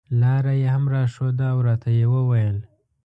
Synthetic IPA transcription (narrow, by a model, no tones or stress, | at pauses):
lɑɾajehamɾɑʃod̪əːwɾɑt̪ʰajewəwajəl